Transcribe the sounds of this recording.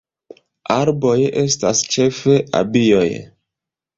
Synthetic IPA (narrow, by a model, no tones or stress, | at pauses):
aɾbojʔe̞stast͡ʃe̞fe̞ʔa̰bioj